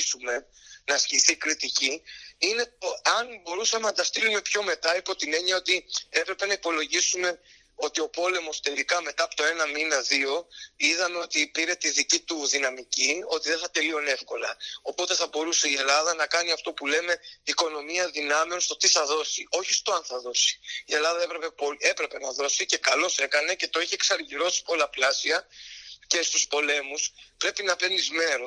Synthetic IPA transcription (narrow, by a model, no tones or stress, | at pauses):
sume̞ | nɐsciθikɾit̪iciine̞t̪oɐnbo̞ɾusɐmenɐd̪ɐst̪ilume̞pço̞me̞t̪ɐipo̞t̪ine̞ɲɐo̞t̪ie̞pɾe̞pe̞nɐipo̞lo̞ʝisume̞ | o̞t̪io̞po̞le̞mo̞st̪elikɐme̞t̪ɐɐpot̪oe̞nɐminɐðio̞iðɐme̞o̞t̪ipiɾe̞t̪iðicit̪uðinɐmicio̞t̪iðeθɐt̪e̞lio̞ne̞fko̞lɐo̞po̞t̪e̞θɐbo̞ɾuse̞ie̞lɐðɐnɐkɐniɐft̪o̞pule̞me̞iko̞no̞miɐðinɐmeonst̪o̞t̪iθɐðo̞sio̞çist̪o̞ɐnθɐðo̞si̥ie̞lɐðɐepɾe̞pe̞poe̞pɾe̞pe̞nɐðo̞sice̞kɐlo̞se̞kɐne̞ce̞t̪o̞içieksɐɾʝiɾo̞si̥po̞lɐplɐsiɐce̞st̪uspo̞le̞muspɾe̞pinɐpe̞nizme̞ɾo